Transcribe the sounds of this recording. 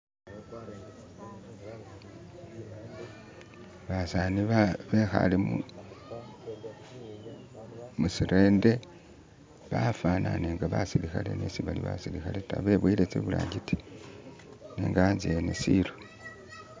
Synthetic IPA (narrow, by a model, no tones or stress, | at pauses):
βasaniββexa̰limu | musiɾʔe̞ːnde̞ | βafananeːŋɡaβasiɾixale̞̰nesiβaliβa̰siɾixaleta̰βe̞βwilet͡seβula̰ːɡiti̥ | nḛːŋɡaanzienesilo